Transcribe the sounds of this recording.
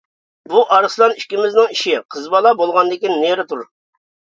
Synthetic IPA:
buʔɑɾslˠɑniʃkʲimɪznɪŋiʃɪqʰəzbɑlˠɑbolˠʁɑnd̪ɪkʲinːeɾɪt̪ʰuɾ

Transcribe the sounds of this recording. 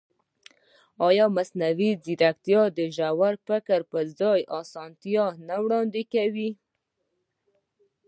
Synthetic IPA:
ɑjɑmasnawiziɾak̚t̪jɑd̪əʒawaɾfɪkəɾpəzɑjʔɑsɑnt̪jɑnawɽɑnd̪ɪkawi

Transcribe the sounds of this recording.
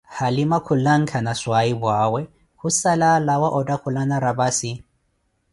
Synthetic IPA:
halimakʰʊlaŋ̩kʰanaswaibwaːwɛ | husalalawaʔɔdakʰʊlanaɾabasi

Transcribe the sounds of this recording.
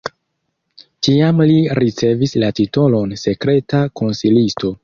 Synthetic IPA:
tiamliɾʔit͡se̞vislatito̞lo̞nse̞kɾe̞tako̞nsilisto̞

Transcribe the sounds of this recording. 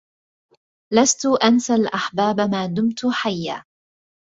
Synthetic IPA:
last̪ʊʔansalʔaħbaːbamaːd̪ʊmt̪ʊħajːa̰ː

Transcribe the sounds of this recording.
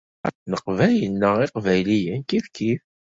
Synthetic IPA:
æ̰t͡snəqvæjənːəʁɪqvæjlijənkiðkif

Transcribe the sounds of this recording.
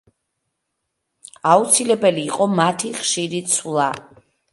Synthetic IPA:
aut̪sʰilɛbɛliːqʼɔmat̪ʰiχʃiɾit̪sʰlˠa

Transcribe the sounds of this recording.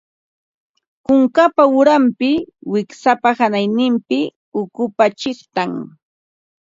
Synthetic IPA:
kʊŋkapaʊɾampɪwɪksapahanajnɪmpɪ | ʊkʊpat͡ʃɪχt̪aŋ

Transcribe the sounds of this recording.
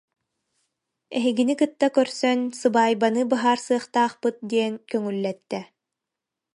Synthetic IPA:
ɛɦiɡinikɯt̪ːakœɾsœnsɯbaːjbanɯbaɦaːɾsɯɐχt̪aːχpɯt̪̚d̪iɛnkœŋylːɛt̪ːɛ

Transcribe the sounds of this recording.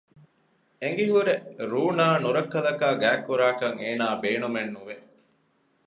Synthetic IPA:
eŋ̆ɡiɦuɾeɾuːnaːnuɾɐkːɐlɐkaːɡæːkːuɾaːkɐŋeːnaːbeːnumenːuʋe

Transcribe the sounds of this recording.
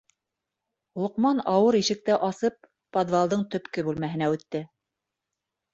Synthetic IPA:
lˠŏqmɑnɑwɤɾiʃɘ̆k̚t̪æʔɑsɤpː | od̪vɑlˠd̪ɤɴt̪ɵ̆pkɘbʉlmæhɘ̆næʉt̪ːɘ

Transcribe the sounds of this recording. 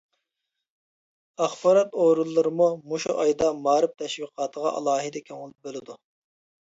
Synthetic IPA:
ɑχbɑɾɑt̪oɾulˠːɨɾɨmumuʃṵʔɑjd̪ɑmɑːɾɨp̚t̪ʰɛʃwiqʰɑːt̪ʰəʁɑ̰ʔɑ̰lˠɑːɦɨd̪ɛkʲʰøŋʁʊlˠɪp̚bølɪd̪u

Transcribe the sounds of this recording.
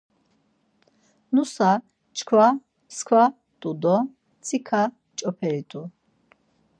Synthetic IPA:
nusa | t͡ʃʰkʰwa | pskʰwa | t̪ʼud̪ɔ | t͡sʰikʰa | t͡ʃʼɔpʰɛɾit̪ʰʼu

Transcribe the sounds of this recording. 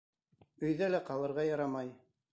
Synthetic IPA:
ɵ̆jðælæqɑlˠɤ̆ɾʁɑjɑɾɑmɑj

